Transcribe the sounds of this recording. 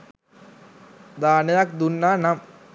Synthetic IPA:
d̪aːnɐjak̚d̪unːanam

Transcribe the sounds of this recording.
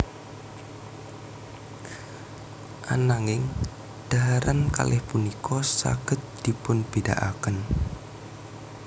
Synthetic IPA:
ʔa̰naŋɪŋ | d̥a̤ɦaɾanka̰lʔɪhpunikɔsa̰ɡ̥ə̤t̪̚d̪̥i̤pʊnb̥ida̰ʔakən

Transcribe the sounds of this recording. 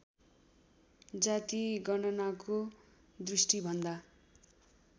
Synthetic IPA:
d͡zat̪iɡʌnʌnako | d̪risʈibʱʌnd̪a

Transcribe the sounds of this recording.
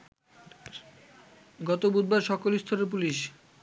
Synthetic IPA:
ɡɔt̪obud̪̚baɾʃɔkolist̪ʰoɾep̬uliʃ

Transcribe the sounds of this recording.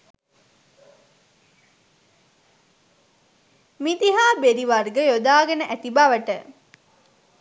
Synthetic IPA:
mid̪iɦaːbeɾiʋarɡəjod̪aːɡənəʔæt̪ibaʋəʈə

